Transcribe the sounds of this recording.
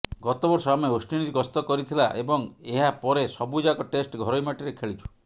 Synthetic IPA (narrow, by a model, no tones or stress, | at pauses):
ɡɔt̪ɔbɔɾsɔamɔeosʈinid͡ʒɡɔst̪ɔkɔɾit̪ʰilaʔebɔŋeɦapɔɾesɔbud͡ʒakɔʈesʈɡʱɔɾɔjmaʈiɾekʰeɭit͡ʃʰu̥